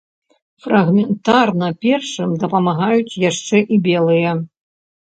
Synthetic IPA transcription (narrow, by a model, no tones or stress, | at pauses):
frɐɣmʲɛnt̪arnɐpʲɛrʂɨmd̪ɐpɐmaɣajut͡sʲjaʂt͡ʂɛʔibʲɛlˠɨjɐ